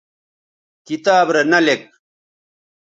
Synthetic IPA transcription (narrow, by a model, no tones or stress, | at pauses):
kit̪aːbɾenɐlek̚